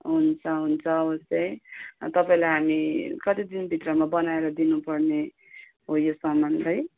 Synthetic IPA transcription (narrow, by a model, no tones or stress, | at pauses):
ɦunt͡sʰʌɦunt͡sʰʌːbʌsjʌjt̪ʌpaĩlajɦamikʌt̪id̪inbʱit̪rʌmabʌnaeɾʌd̪inupʌrne | ɦojosʌmanlaj